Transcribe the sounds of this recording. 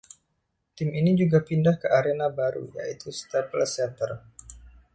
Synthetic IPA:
t̪ɪminid͡ʒuɡapindahkəʔaɾenabaɾṵja̰ʔit̪ust̪apəlsɛnt̪ər

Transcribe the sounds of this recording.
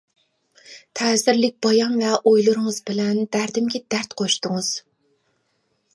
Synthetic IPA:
t̪ʰɛːzɪɾlɪk̚ʲb̥ɑjɑŋvɛʔojlˠuɾɨŋɨzbɪlɛnb̪æɾd̪ɪmɡʲɪd̪æɾt̪qʰoʃt̪ʊŋɨz̥

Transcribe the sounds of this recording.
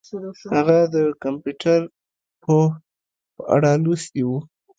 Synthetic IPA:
haɣad̪əkampjuʈʰaɾ | pʰə | pəʔa̰ɽalust̪iwu

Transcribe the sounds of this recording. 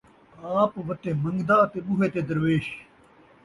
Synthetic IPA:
aːpʋɐt̪eːmɐ̃ŋɡd̪aːt̪eɓuɦeːt̪eːd̪ɐɾʋeːɕ

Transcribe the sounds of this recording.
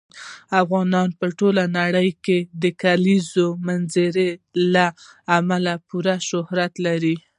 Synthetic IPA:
afɣɑnɑnpəʈolanaɽəjked̪əkalizomanzəɾelaːmalapuɾaʃʊhɾat̪laɾi

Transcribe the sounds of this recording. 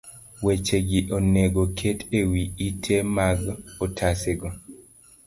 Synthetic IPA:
wet͡ʃeɡiʔoneɡokʰetewiitʰemaɡotʰaseɡɔ

